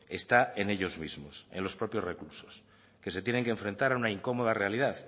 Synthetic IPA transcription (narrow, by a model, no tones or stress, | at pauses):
est̪aeneʎo̞zmizmosḛnlo̞spɾo̞pjozrekluɾso̥s | ke̞se̞t̪jeneŋkẽɱfɾe̞nt̪aɾaunaiŋko̞moð̞are̞alið̞aθ